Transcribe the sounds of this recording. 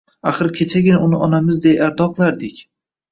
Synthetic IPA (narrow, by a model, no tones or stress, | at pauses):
aχɨɾkʲʰet͡ʃʰaɡʲɪnaʔʊnɪɒnamɪzd̪ejaɾd̪ɒqlˠaɾd̪ɪkʲ